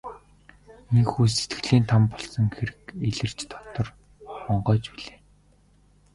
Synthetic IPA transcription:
nikxuːs̬et̪ɡ̥ɘ̆ɮiːnt̪ʰampɔɮsɞ̆ŋxeɾɘ̆keɮɘ̆r̥t͡ɕt̪ʰɔ̥t̪ɞ̆r | χɔɴɢœːt͡ɕpiɮeː

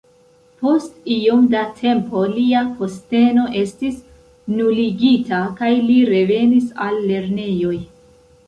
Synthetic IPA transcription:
po̞stiomdatʰe̞mpo̞liapo̞ste̞no̞ʔe̞stis | nuliɡitakajliɾe̞ve̞nisalːe̞ɾne̞jo̞j

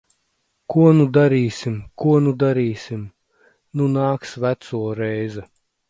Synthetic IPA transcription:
kuɔnud̪aɾiːsʲimkuɔnud̪aɾiːsʲim | nunaːksvæt̪suɔɾɛjzɛ

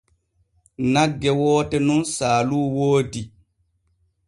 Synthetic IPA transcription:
naɡːɛwɔːtɛnunsaːluːwoːdi

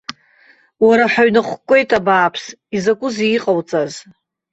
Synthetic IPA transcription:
waɾaħaɥnaχʷkʷʼe̞jtʼabaːpʰs | izakʷʼʊziqʼawt͡sʼaz

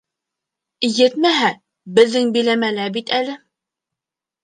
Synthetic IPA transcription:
jɘt̪mæɦæ | bɘ̆ðːɘŋbilæmælæbit̪ælɘ

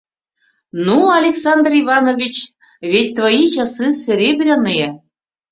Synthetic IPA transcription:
nuɑlʲeksɑnd̪rivɑnovʲit͡ɕ | vʲet̚ʲt̪vojit͡ɕɑsɨsʲĕɾʲebɾʲanɨje

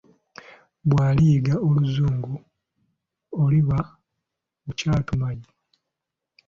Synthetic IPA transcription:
bwaːliːɡaoluzuːŋɡu | oliβa | ucaːtumaɟi

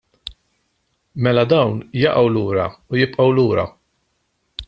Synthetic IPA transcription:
mɛlɐd̪ɐwnjɐʔɐwluːɾɐ̰ʊjɪpʼʔɐwluːɾɐ̰

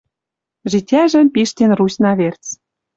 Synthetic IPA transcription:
ʒitʲæʒə̆mpiʃt̪enrusnɑβert͡s

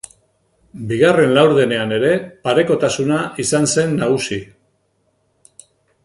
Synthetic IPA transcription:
biɣare̞nlawɾðene̞ane̞ɾe̞paɾe̞ko̞t̪asunaʔisanse̞nːaɣ̞usi

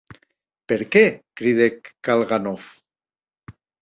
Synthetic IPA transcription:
peɾkekɾiðekːalɣanof

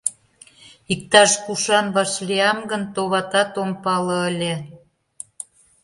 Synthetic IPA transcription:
ik̚t̪ɑʃkuʃɑnβɑʃliɑmɡənt̪oβɑt̪ɑt̪ompɑlɤ̆əlʲe

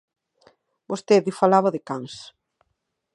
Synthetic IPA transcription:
bost̪eðɪfalaβaðɪkaŋs

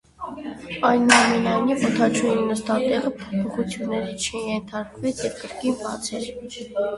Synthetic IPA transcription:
ɑjnɑmɛnɑjnivət̪ʰɑt͡ʃʰujinəst̪ɑt̪ɛʁəpʰɔpʰɔχut͡sʰjunːɛɾit͡ʃʰɛjɛnt̪ʰɑɾkvɛt͡sʰjɛvkəɾkinbɑt͡sʰɛɾ

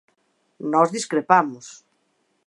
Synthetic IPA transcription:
nɔzðiskɾepamʊs

